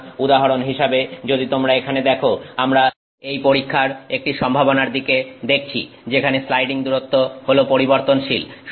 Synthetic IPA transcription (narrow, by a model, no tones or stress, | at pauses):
ud̪aɦaɾonɦiʃabed͡ʑod̪it̪omɾaekʰaned̪ɛkʰoamɾa | ejpoɾikʰːaɾek̚ʈiʃɔmbʱabonaɾd̪iked̪ek̚ʰt͡ɕʰḭ | d͡ʑekʰaneslajɖiŋd̪uɾot̪ːoholopoɾiboɾt̪onʃilʃ